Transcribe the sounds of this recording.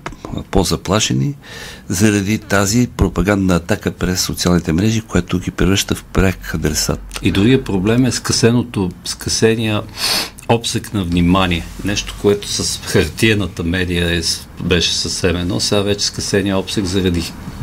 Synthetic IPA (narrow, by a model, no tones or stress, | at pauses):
pozɐplˠaʃɛnizɐɾɐd̪it̪azipɾopɐɡand̪nəːt̪akəpɾɛsːot̪sialˠnit̪ɛmɾɛʒikojɛt̪ʊɡipɾɛvɾəʃt̪əfpɾakɐd̪ɾɛsa̰t̪id̪ɾuɡɡiəpɾoblɛmɛskɐsɛnot̪oskɐsɛniə | ɔpsɛknɐvnimaniɛnɛʃt̪o̥koɛt̪o̥səsxɐɾt̪iɛnət̪əmɛd̪ijəɛs | bɛʃɛ̥səfsɛmɛnɔ̰sɛɡavɛt͡ʃɛ̥skɐsɛniəɔpsɛkzɐɾɐd̪i